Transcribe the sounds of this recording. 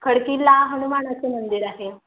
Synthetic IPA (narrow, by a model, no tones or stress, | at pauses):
kʰəɽkiːlaɦəɽ̃umaɳ̃at͡senənd̪iɾaɦe